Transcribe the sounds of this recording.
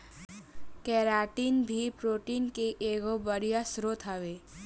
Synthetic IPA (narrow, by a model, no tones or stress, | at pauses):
kɛːɾaːʈiːnbʱipɾoːʈiːnkeʔeːɡobəɾijasɾot̪ʰaːʋeː